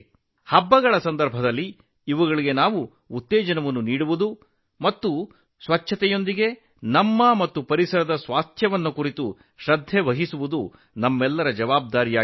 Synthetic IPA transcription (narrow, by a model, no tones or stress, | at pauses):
hɐbːɐɡɐɭɐsɐnd̪ɐɾbʱɐd̪ɐlːiː | ʋuɡɐɭiɡe̞naːʋuː | t̪ːeːd͡ʒɐnɐʋɐnːuniːɽuʋud̪u | mɐt̪ːu | sʋɐt͡ʃʰːɐt̪ɛjo̞nd̪iɡe̞ | nɐmːɐmɐt̪ːupɐɾisɐɾɐd̪ɐsʋaːst̪ʰjɐʋɐnːukuɾit̪u | ʃɾɐd̪ʱjeʋɐɦisuʋud̪u | nɐmːɛlːɐɾɐd͡ʒɐʋaːb̚d̪aːɾijaː